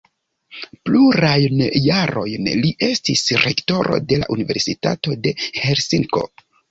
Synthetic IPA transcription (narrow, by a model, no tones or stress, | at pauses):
pluɾajnjaɾo̞jnliʔe̞stisɾe̞kto̞ɾo̞̰de̞la̰ʔunive̞ɾsita̰to̞de̞he̞ɾsiŋko̞̰